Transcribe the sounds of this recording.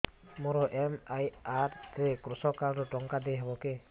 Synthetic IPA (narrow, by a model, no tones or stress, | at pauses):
mɔɾɔʔɛmajaɾt̪ɾɛkɾusɔkaɾɾɔʈɔŋkad̪ɛɦebɔkɛ